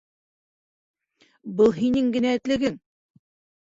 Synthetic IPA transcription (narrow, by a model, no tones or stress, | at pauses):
bɤlˠɦinɘŋɡɘ̆næɘ̆t̪lɘ̆ɡɘŋ